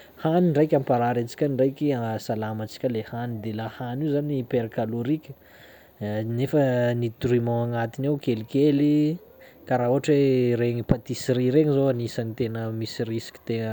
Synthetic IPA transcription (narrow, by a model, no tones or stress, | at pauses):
haniɳɖ͡ʐajkʲampaɾaɾet͡si̥kʲənɳɖ͡ʐajkʲiasalamat͡si̥kʲəlehanid̪elahanizanipeɾkaluɾikʲə̥ | nefənit̪uɾimãaŋat̪inewkelikeli | kaɾaɦuɦaʈ͡ʂweɾeŋipat̪isiɾiɾeŋizoanisanit̪enəmisirisi̥kʲi̥t̪eə